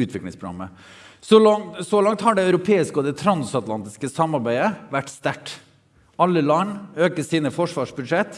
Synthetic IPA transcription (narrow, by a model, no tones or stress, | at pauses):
ʉːt̪ʰʋɪklɪ̰ŋspʰɾʊɡɑ̰mːə | sɔlɔsɔlɑŋt̪hɑɖɛœʉɾʊpʰeːɪskəɔd̪ɛt̪ʰɾɑnsɑt̪lɑnt̪ɪskəsɑmːɑɾbæɪəʋæʈːst̪æʈː | ɑlːəlɑnøːkəsiːnəfɔʂʋɑːʂbʉd̪ʂɛt̪ː